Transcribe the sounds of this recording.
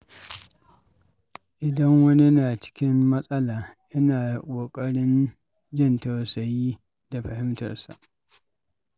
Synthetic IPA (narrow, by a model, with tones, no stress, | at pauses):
ʔɪ˨dɐ˦ŋwɐ˦ni˦naː˨t͡ʃɪ̥˦kʲɪ˦mːɐ˦sʼɐ˦laː˨ʔɪ˦naː˨kʷʼoː˨kʼɐ˦ɽɪ˦n | d͡ʒɪ˦˨ntɐ˨wsɐ˨jiː˦ | da˨ɸɐ˨hɪ˦mtɐ̰˨rsa̰˨ʔ